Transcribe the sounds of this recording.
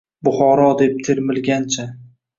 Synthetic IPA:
bʊχɒɾɒd̪e̞p̚t̪ʰeɾmɪlɡʲant͡ʃʰa

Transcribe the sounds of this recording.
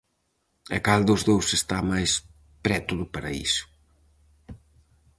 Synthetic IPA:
ɛkald̪ʊzðowsest̪amajs | pɾɛt̪uðʊpaɾɐḭsʊ̥

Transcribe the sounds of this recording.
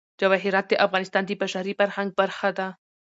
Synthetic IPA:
d͡ʒawaɦɪɾɑt̪̚d̪eʔafɣɑnɪst̪ɑːnd̪ibaʃaɾifaɾhaŋɡ̚baɾxad̪a

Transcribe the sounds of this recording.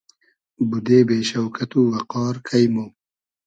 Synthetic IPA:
bud̪eːbeːʃɐwkʰɐt̪uːwɐqɑːɾkʰɐjmo

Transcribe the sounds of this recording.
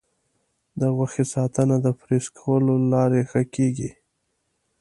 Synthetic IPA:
d̪əɣaxesɑt̪ənad̪əpɾeskʰawəlolɑɾexəkeɡi

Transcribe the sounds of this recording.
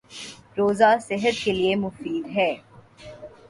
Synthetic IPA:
ɾoːzasɪɦət̪keliemʊfiːd̪ɦɛː

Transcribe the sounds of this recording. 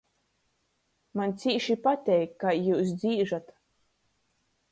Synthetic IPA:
manʲt̪siːʃipat̪ʲɛjkːajuːs̬d̪ziːʒat̪

